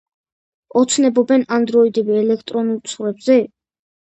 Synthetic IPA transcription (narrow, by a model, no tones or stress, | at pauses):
ɔt̪sʰnɛbɔbɛnand̪ɾɔid̪ɛbiɛlɛkʰt̪ʼɾɔnulˠt̪sʰχɾɛbz̥ɛ